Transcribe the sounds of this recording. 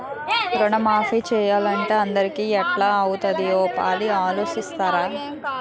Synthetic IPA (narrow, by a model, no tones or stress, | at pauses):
kɾɔɳɐmaːfiːt͡ʃɛːjaːlɐɳʈeːɐnd̪ɐɾikiːɛʈlaːɐwut̪ɐd̪ioːpa̰ːliaːlo̞ːʃist̪aːɾaː